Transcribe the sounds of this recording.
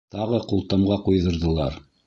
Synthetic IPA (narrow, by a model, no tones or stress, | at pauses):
t̪ɑʁɤqulˠt̪ɑmʁɑqujðŏɾðɤ̆lˠɑɾ